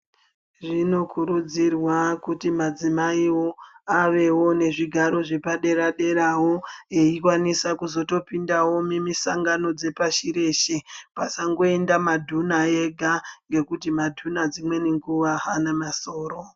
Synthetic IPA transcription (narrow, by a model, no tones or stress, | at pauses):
ʐino̞kʰuɾud͡zirwakutimad͡zimaiwo̞aʋe̞wo̞ne̞ʐiɡʱaɾo̞ʐepaɗe̞ɾaɗe̞ɾawo̞eikwanisakuzo̞to̞pindawo̞memisaŋɡano̞d͡ze̞paʃiɾe̞ʃepasaŋɡo̞e̞ndamadʱunae̞ɡʱaŋɡe̞kutimadʱunad͡zimwe̞neŋɡuʋaanamaso̞ːro̞